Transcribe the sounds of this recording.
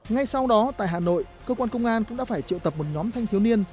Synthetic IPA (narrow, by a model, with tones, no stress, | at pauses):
ŋa˧jsa˧wɗɔ˨˦t̪a̰ː˧˨ɦaː˨˩no̰˧˨j | kəː˧kwaː˧nkə˧wŋ͡mʔaː˧nkʊ̰˧˥ŋ͡mɗa̰ː˧˥faː˧˩jt͡ɕḭ˧˨əwt̪ə˨˩p̚mo˨˩t̚ɲɔ˨˦mt̪ʰa˧jŋt̪ʰi˨˦əwni˧ən